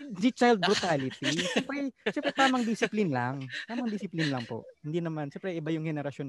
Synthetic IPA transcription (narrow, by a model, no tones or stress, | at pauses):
sɪt͡ʃajld̪̚bɾʊt̪aːlɪt̪iʃɛmpɾɛʃɛmpɾɛt̪aːmɐŋd̪ɪsɪplinlaŋt̪aːmɐŋd̪ɪsɪplinlɐŋpo̰ʔhɪnd̪iːnɐmanʃɛmpɾɛʔɪbajʊŋhɛnɛɾɐʃjon